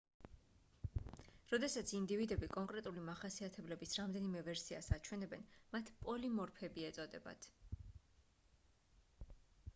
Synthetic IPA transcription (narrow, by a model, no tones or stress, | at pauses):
ɾɔd̪ɛsat̪sʰind̪ivid̪ɛbikʼɔŋkʼɾɛt̪ʼulimaχasiat̪ʰɛblɛbisɾamd̪ɛnimɛvɛɾsiasat͡ʃʰwɛnɛbɛnmat̪ʰpʼɔlimɔɾpʰɛbiɛt̪sʼɔd̪ɛba̰t̪ʰ